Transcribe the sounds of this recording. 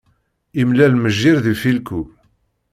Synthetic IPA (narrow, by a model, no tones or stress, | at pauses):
imlælməʒːiɾðifilku